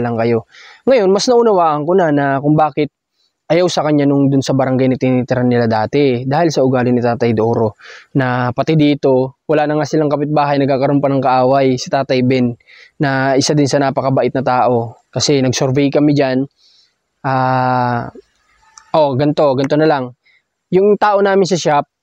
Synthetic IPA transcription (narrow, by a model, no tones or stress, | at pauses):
lɐŋkɐjo̞ŋɐjo̞nmɐsnɐʔʊnɐwaːʔɐŋkonanɐkʊŋbaːkɪt̪̚ | ʔɐjawsɐkɐɲːanʊŋd̪ʊnsɐbɐɾɐŋɡajnɪt̪ɪnit̪ɪɾanːɪlad̪aːt̪ɛd̪aːhɪlsɐʔʊɡaːlɪnɪt̪aːt̪ɐjd̪oʔoɾo̞nɐpɐt̪ɛd̪iːt̪o̞wɐlaːnɐŋasɪlaŋkɐpɪt̪̚baːɦɐjnɐɡ̚kaːkɐɾompɐnɐŋkɐʔaːwɐjsɪt̪aːt̪ɐjbɛnː | ɐʔɪsad̪ɪnsɐnaːpɐkɐbɐʔɪt̪nɐt̪aːʔo̞kɐsɛnɐɡsoɾvikɐmɪd͡ʒan | ʔaː | ʔo̞ɡɐnt̪o̞ɡɐnt̪o̞nɐlaŋ | jʊŋt̪aːʔo̞naːmɪnsɐʃap̚